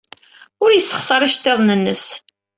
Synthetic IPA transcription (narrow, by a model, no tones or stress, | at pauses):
ʊɾjəsːə̥χsɑɾˤiʃt̪ːeðˤnənːəs